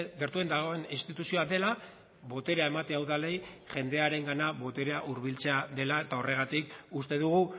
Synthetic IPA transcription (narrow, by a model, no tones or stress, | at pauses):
ɡe̞ɾt̪ue̞nd̪aɣ̞o̞e̞ninst̪it̪usio̞aðe̞la | βo̞t̪e̞ɾeae̞mat̪e̞awðale̞jʝe̞nd̪e̞aɾe̞ŋɡanaβo̞t̪eɾeaʔuɾβilt͡se̞aðe̞laet̪ao̞re̞ɣ̞at̪ikust̪e̞ðuɣ̞u